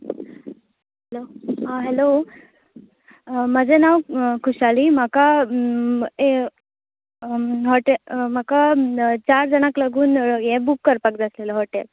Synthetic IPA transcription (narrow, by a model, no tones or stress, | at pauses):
ɦeloaɦelo | məd͡zenaʋkʰuɕaliːm̤aka | e | ɦɔʈem̤akat͡ɕaɾd͡zənaklaɡuːnjẽbukːəɾpakd͡zasleləɦɔʈel